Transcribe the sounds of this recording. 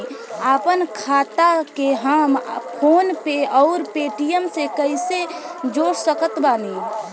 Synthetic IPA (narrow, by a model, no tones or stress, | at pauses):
aːpənkʰaːt̪akeɦaːmpʰoːnpeɔːʊɾpeːʈijəmsekəɪsed͡ʒoːɾsəkət̪baːni